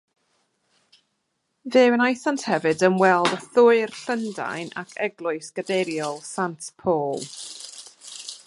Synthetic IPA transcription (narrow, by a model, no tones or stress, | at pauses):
vɨwənajθanthɛvɨdəmwɛlˠdaθʊɨrɬənda̰jna̰kʰɛɡlˠʊɨsɡ̥ədeɾjɔlˠsantʰpʰoːlˠ